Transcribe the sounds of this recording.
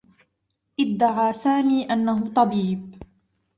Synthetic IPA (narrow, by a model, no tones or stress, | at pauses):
ʔɪd̪ːaʕaːsaːmiːʔanːaɦʊt̪ˤɑbiːb̚